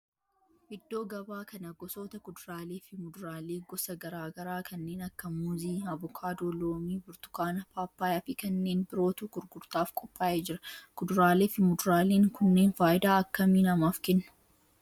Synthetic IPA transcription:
ʔɪd̪ːo̞ːɡɐbaːkɐnɐɡɔso̞ːt̪ɐkʊd̪ʊɾaːleːfɪmʊd̪ʊɾaːleːɡɔsɐɡɐɾaːɡɐɾaːkʰɐnːeːnɐkːɐmuziːɐbʊkʰaːd̪oːloːmiːbʊɾt̪ʊ̥kaːnɐpaːpːaːjɐfɪkɐnːe̞ːnbɪɾo̞ːt̪uɡ̥ʊɾɡʊɾt̪aːfkʼɔpʼːaːʔeːd͡ʒɪɾɐkʊd̪ʊɾaːleːfɪmʊd̪ʊɾaːleːŋkʊnːeːnfaːʔɪd̪aːɐkːɐmiːnɐmaːfkɛnːɐ̥

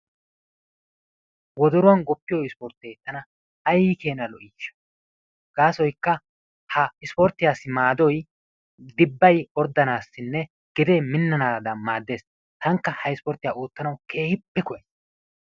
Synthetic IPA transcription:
wɔd̪ɔɾʊwɐnɡɔpːɪjɔɪspɔɾt̪eːt̪ːɐnɐː | jɪke̞ːnɐlɔʔiːʃɐ̥ | ɡ̥aːsɔjkːɐ | hɐɪspɔɾt̪ːɪjaːsːɪmaːd̪ɔj | d̪ɪbːɐjɔɾd̪ːɐnaːsːɪnːɛ | ɡ̥ɪd̪e̞ːmɪnːɐnaːd̪ɐnmaːd̪ːe̞ːs | t̪ɐŋkːɐhɐɪspɔɾt̪ːɪjaːoːt̪ːɐnɐwkʰe̞ːhɪpːɛkɔjɛ

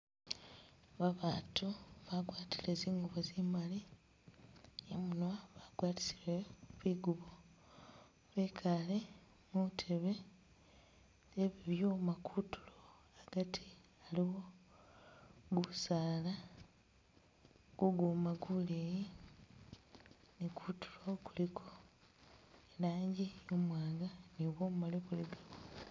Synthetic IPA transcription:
βaβaːtuβaɡwaːtileːziːŋɡuβozimali | emunwaβaɡwaːti̥sileβiɡuβo | βekʰale | mutʰe̞βe̞ | βiβjomakʰutʰu̥lo | aɡ̥atʰi̥ | aliwo̞ | ɡusaːla | ɡ̥uɡumaɡuleji | nikʰutu̥lokulikʰo | elaːɲɟijomwaːŋɡaniβoːmmaleβuliɡa

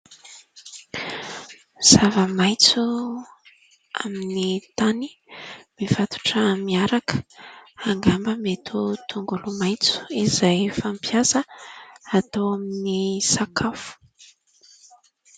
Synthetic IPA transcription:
miz̥avəmajt͡su | a̰minit̪animiv̥at̪u̥ʈ͡ʂəmiaɾakə̥aŋɡambəmet̪ʰut̪ʰuŋɡulumajt͡su̥izajfampʰjasəat̪awaminisakʰafu̥

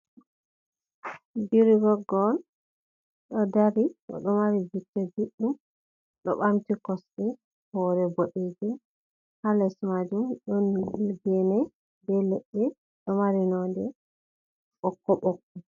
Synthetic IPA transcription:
biɾiɡɔɡɔn | ɗɔdaɾiʔɔ̰ɗɔmaɾid͡ʒutːɛbiɗːum | ɗɔ̰ɓamtikɔsɗɛ | hɔɾɛboɗed͡ʒɛ | halɛsmad͡ʒumɗɔnːilɡɛnɛ | bɛlɛɗːɛ | ɗɔmaɾinɔdɛ | ɓɔkːɔɓɔkːɔ

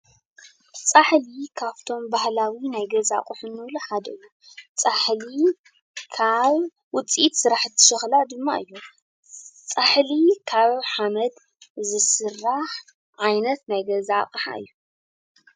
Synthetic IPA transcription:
t͡sʼaħlikʰaβt̪ʰo̞mbahlawinajɡɐza̰qʼuħunːɨwluħad̪ɐɨjːu | t͡sʼaħli | kʰaβ | wʊt͡sʼit̪sɨɾaħɨt̪ʰːɨ̥ʃɨxlad̪ɨmːa̰ʔɨjːu | t͡sʼaħlikʰaβħamɐd̪ | zɨsɨrːaħ | ʕajnɐt̪najɡɐzaqʼħa̰ʔɨ̰jːu

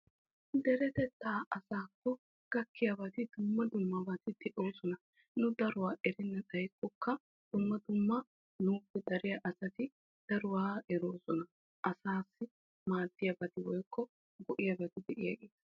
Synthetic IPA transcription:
d̪ɛɾɛt̪ɛt̪ːaːʔɐsaːkːɔ | ɡ̥ɐkːɪjɐbɐt̪ɪd̪ʊmːɐd̪ʊmːɐbɐt̪ɪd̪ɛʔoːsɔnɐ | nʊd̪ɐɾʊwaːʔɛɾɪnːɐt̪ɐjkʼːɔkːɐ | d̪̥ʊmːɐd̪ʊmːɐ | nuːpːɛd̪ɐɾɪjɐʔɐsɐt̪ɪ | d̪̥ɐɾʊwaːɛɾoːsɔnɐ | ʔɐsaːsːɪ | maːd̪ːɪjɐbɐt̪ɪwɔjkʰːɔ | ɡɔʔɪjɐbɐt̪ɪd̪ɛʔɪjɐ̰ɡeːt̪ɐ

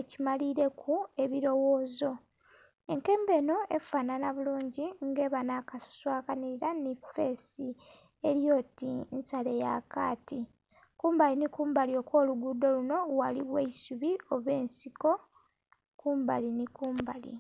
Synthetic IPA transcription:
ecimaliɾe̞kʰue̞βiɾo̞wo̞ːzo̞ | e̞ŋke̞ːmbe̞ːno̞e̞̰faːnanaβuluːɲɟiŋɡe̞ːβanakaso̥swaːkaniiɾanife̞ːsi | eɾjo̞ːtinsale̞ja̰ka̰ːti | kuːmbalinikuːmbalio̞kwo̞ːluɡudo̞luno̞walḭβweisuβio̞βe̞ːnsiko̞ | kuːmba̰linikuːmbalḭ

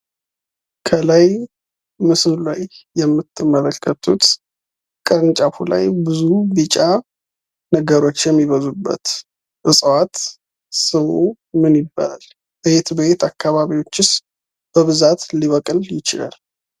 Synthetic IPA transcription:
kʰəlaj | mɨsɨllajːɛmːɨt̪ʰːɨmːələkʰːət̪ʰut̪ | kʼəɾɨnt͡ʃʼafula̰jbɨzubɨt͡ʃʼa | nəɡəɾo̞t͡ʃːjɛmːiβəzubːə̰t̪ | ʔɨsʼwat̪ | sɨwu | mɨnjɪbːa̰la̰l | bet̪bet̪ʰakːaβaβiwo̞t͡ʃːɪs | b̥əβɨzat̪liβəkʼɨljɪt͡ʃɪla̰l

